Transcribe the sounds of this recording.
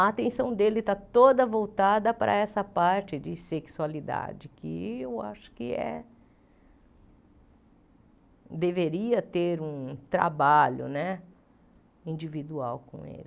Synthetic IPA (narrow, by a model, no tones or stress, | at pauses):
ɐat̪ẽsɐ̃w̃d̪elɪt̪at̪od̪ɐvowt̪ad̪ɐpɾʔɐ̰ɛsɐpaɾt͡ʃɪd͡ʒɪseksualid̪a̰d͡ʒɪkɪewa̰ʃʊ̥kɪɛ̰ | d̪eveɾiɐt̪eɾũt̪ɾa̰baʎʊ̰nɛ | ĩd͡ʒivid̪ua̰wkõ̰ḛlɪ